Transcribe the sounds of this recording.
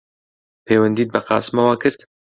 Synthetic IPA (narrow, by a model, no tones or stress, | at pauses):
pʰeːwɐnd̪iːt̪̚bɐqɑ̰ːsmɐwaːkʰɨɾt̪